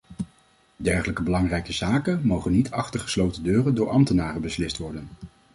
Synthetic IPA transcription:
dɛɹχələkəbəlɑŋrɛjkəzaːkənmowχənːitʰɑχtəɹχə̥slowtəndøːrəndʊːɹʔɑmtənaːrəbəslɪstʋɔɹdən

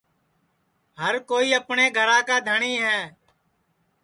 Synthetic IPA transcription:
ɦəɾkoːiːəpɳeːɡʱəɾãːkaːd̪ʱəɳiːɦɛː

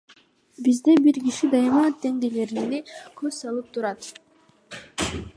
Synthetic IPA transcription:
bizd̪ebiɾɡʲiʃid̪ɑjmɑːt̪ːe̞ŋd̪ele̞ɾinekʰøzsɑlˠɯp̚t̪ʰuɾɑt̪

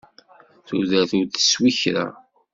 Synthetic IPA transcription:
θuðæθuθə̥swiçɾæ̰

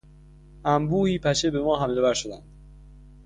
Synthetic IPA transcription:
ʔæmbuːhiːpʰæʃebemɒːɦæmlovæɾʃod̪ænd̪̥

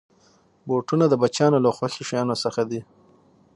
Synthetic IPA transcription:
boʈunad̪əbat͡ʃjɑnolaxwaɬiʃjɑnosəxad̪i

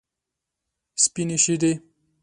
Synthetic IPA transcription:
spineʃid̪e

